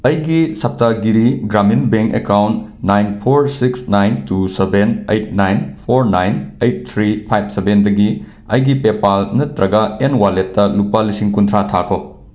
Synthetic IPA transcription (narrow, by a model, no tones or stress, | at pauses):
ɐjɡisɐp̚taɡiɾiɡɾaminbeŋkḛkawntnajnpʰoɾsiksnajntusebenejt̚najnpʰoɾnajnejt̚t̪ʰɾipʰajb̚sebendɐɡi | ɐjɡipepalnɐtɾɐɡɐenwaletːɐlupːalisiŋkuntʰɾatʰakʰo